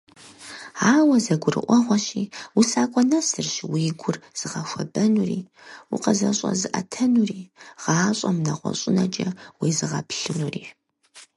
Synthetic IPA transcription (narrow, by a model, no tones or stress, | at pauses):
aːwɐzɐɡʷʊrɨ̰ʔʷɔʁʷɔɕiːwʊsaːkʷʼɔnɐsɨrɕwiːɡʷʊrz̥ɨʁɐxʷɐbɐnuriː | wuqɐzɐɕʼɐ̰zɨʔɐtʰɐnuriːʁ̥ɑːɕʼɐmnɐʁʷɔ̰ɕʼɪnɐt͡ʃʼɐwiːzɨʁɐpɬɨnuːriː